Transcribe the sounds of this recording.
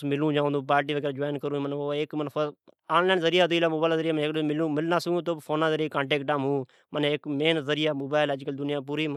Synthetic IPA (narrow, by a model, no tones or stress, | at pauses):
smɪlũːd͡ʒãːnd̪õːp̬aːɾʈiːʋəɡɛːɾad͡ʒoːjnkəɾũːmənoːɪkmən | aːnlaːnzəɾɪjaːd̪iːlaːmoːbaːɪlzəɾɪjaːmnkmɪlũːmɪlnaːsəɡt̪̬oːpʰoːnãːzəɾiaːkãːɳʈeːkʈãːmũː | mənɪkmeːnzəɾɪjaːmoːbaːɪləd͡ʒkəld̪ʊnɪjãːp̬uːɾiːm